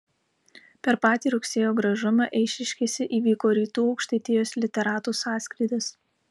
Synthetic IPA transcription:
pʲɛɾpɑːt̪ʲiːɾʊksʲeːjoːɡɾɐʒʊmɑʔɛɪʃʲɪʃʲkʲesʲɪʔiːʋʲiːkoːɾʲiːt̪uːɒʊkʃʲt̪ɐɪt̪ʲɪjoːslʲɪt̪ʲɛɾɑːt̪uːsɑːsʲkɾʲɪːd̪ʲɐs

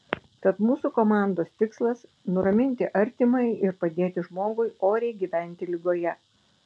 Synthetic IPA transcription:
t̪ɐt̪muːsuːkoɔːmɑˑnd̪oːst̪ʲɪkslˠɐsnʊɾɐmʲɪnʲt̪ʲɪʔɐɾʲt̪ʲɪmɐɪɪɾpɐd̪ʲeːt̪ʲɪʒmoːɡʊɪoːɾʲɛɪɡʲiːʋʲæˑnʲt̪ʲɪlʲɪɡoːjɛ

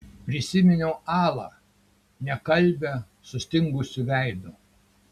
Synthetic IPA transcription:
pʲɾʲɪsʲɪmʲɪnʲoːɑːlˠɑ̰ | nʲɛkɐlʲbʲɛ | sʊsʲt̪ʲɪŋɡʊsʲʊʋʲæɪd̪ʊ

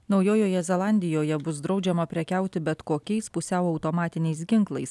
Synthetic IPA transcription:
nɒʊjoːjoːjɛzʲɛlˠɑˑnʲd̪ʲɪjoːjɛbʊsd̪ɾɒʊd͡ʒʲɛmɐpʲɾʲɛkʲɛˑʊt̪ʲɪbʲɛt̪koːkʲɛɪspʊsʲɛʊɒʊt̪oːmɑːt̪ʲɪnʲɛɪs̬ɡʲɪŋklˠɐɪs

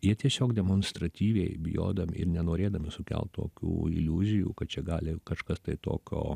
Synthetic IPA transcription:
jiɛt̪ʲiɛsʲoːkd̪ʲɛmoːnst̪ɾɐt̪ʲiːʋʲɛɪbʲɪjo̰ːd̪ɐm̰ʲɪ̰rnʲɛnoːɾʲeːd̪ɐmʲɪsʊkʲɛ̰lˠt̪t̪o̰ːkʲṵːɪlʲuːzʲɪjṵːkɐt̪t͡ʃʲɛɡɑːlʲɪkɐʃkɐst̪ɐɪt̪o̰ːkʲo̰ː

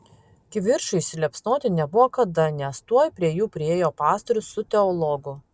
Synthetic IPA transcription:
kʲɪʋʲɪɾʃʊɪʃʲsʲɪlʲɛpsnoːt̪ʲɪnʲɛbʊʋoːkɐd̪ɐnʲɛst̪uɔjpʲɾʲiɛjuːpʲɾʲɪeːjoːpɑːst̪ɔɾʲʊsːʊt̪ʲɛɔlˠɔɡʊ

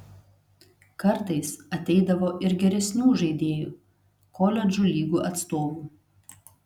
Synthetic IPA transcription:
kɐɾt̪ɐɪsɐt̪ʲɛɪd̪ɐʋoːʔɪɾɡʲɛɾʲɛsʲnʲuːʒɐɪd̪ʲeːjṵː | kɔlʲɛd͡ʒulʲiːɡuːʔɐt̪st̪oːʋuː

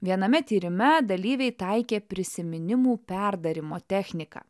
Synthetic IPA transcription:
ʋʲiɛnɐmʲɛt̪ʲiːɾʲɪmʲɛd̪ɐlʲiːʋʲɛɪt̪ɐɪkʲeːpʲɾʲɪsʲɪmʲɪnʲɪmuːpʲæɾd̪ɐɾʲɪmoːt̪ʲɛxʲnʲɪkɐ̰ː

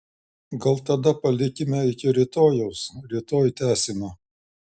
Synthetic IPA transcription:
ɡɐlˠt̪ɐd̪ɐpɐlʲɪkʲɪmʲɛɪkʲɪɾʲɪt̪oːjɛʊsɾʲɪt̪oːjt̪ʲæːsʲɪmɑː

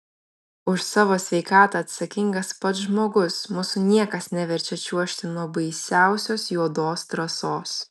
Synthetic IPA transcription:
ʊʃsɑːʋoːsʲʋʲɛɪkɑːt̪ɐɐt̪sɐkʲɪŋɡɐspɐt̪ʒmoːɡʊsmʊsʊnʲiɛkɐsnʲɛʋʲɛɾʲt͡ʃʲɛt͡ʃʲuɔʃʲt̪ʲɪnuɔbɐɪsʲæˑʊsʲoːsjuɔd̪oːst̪ɾɐsoːs

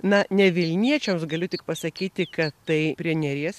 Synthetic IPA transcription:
nɐnʲɛʋʲɪlʲnʲiɛt͡ʃʲɛmsɡɐlʲʊt̪ʲɪk̚pɐsɐkʲiːt̪ʲɪkɐt̪t̪ɐɪpʲɾʲiɛnʲɛɾʲiɛs

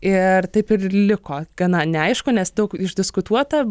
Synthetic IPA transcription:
ɪrt̪ɐɪpɪrlʲɪkoːɡ̥ɐnɐnʲɛɐɪʃkʊnʲɛsd̪ɐʊkɪʒdʲɪskʊt̪uɔt̪ɐ

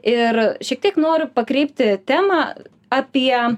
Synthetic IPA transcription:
ɪrʃʲiɛk̚t̪iɛknoːɾʲʊpɐkɾʲɛɪpʲt̪ʲɪt̪ʲæːmɑ | ɐpʲiɛ

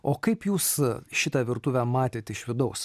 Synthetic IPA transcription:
oːkɐɪpjuːsʃʲɪt̪ɑʋʲɪɾt̪uːʋʲæmɑːt̪ʲeːt̪ʲɪʃʋʲɪd̪ɐʊs

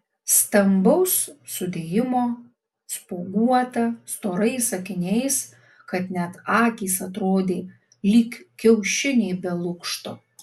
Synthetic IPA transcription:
st̪ɐmbɐʊssʊd̪ʲeːjɪmoː | spoːɡuɔt̪ɐst̪oːɾɐɪsɐkʲɪnʲɛɪs | kɐt̪nʲɛt̪ɑːkʲiːsɐt̪ɾoːd̪ʲeː | lʲikkʲɛʊʃʲɪnʲɛːbʲɛlˠʊkʃt̪oː

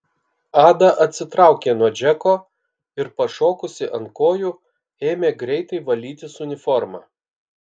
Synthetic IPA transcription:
ɑːd̪ɐʔɐt̪ʲsʲɪt̪ɾɑˑʊkʲeːnuɔd͡ʒʲɛkoː | ɪɾpɐʃoːkʊsʲɪʔɐŋkoːjʊ | eːmʲeːɡɾʲɛɪt̪ɐɪʋɐlʲiːt̪ʲɪsʊnʲɪfɔɾmɑ̰ː

